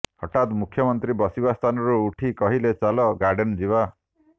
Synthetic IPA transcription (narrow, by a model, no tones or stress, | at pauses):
hɔʈat̪mukʰjɔmɔnt̪ɾibɔsibast̪ʰanɔɾuːʈʰikɔɦilet͡ʃalɔɡaɾɖend͡ʒiβa